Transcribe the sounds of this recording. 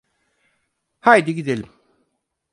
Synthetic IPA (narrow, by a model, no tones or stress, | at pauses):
hajd̪iɡid̪elʲim